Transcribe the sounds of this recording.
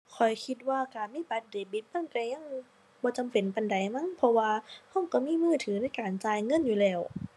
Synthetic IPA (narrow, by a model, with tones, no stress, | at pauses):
kʰɔ˨˩jkʰi˧˥t̪̚waː˧˩kaː˨˩nmiː˧˥˨ba˨˧˦t̪̚deː˨˩bi˧˥t̪̚pʰa˧˥˨ŋt̪ɛː˧ɲa˧˥˨ŋ | bɔː˧t͡ɕa˨˦mpe˨˦npa˨nda˨˦jma˧˥˨ŋpʰɔ˧waː˧hɔ˧˥˩ŋkɔ˧˩miː˧˥˨mɯː˧˥˩t̪ʰɯː˨˦na˧˥˩jkaː˨˩nt͡ɕaː˧jŋɤ˧˥˨njuː˧lɛː˧˩w